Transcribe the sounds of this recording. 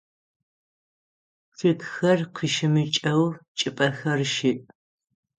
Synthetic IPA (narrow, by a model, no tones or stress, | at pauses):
fitxɐrqʷʰiːʃɪmɨt͡ʃʼɐwt͡ʃʼɪpʼɐxɐrʃiːʔ